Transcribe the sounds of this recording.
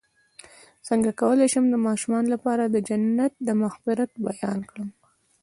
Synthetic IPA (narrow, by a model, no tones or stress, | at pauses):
səŋɡakawəleʃəmd̪əmɑʃumɑnolapɑɾad̪əd͡ʒanːat̪̚d̪əmʊxfɪɾat̪̚bajɑnkɽəm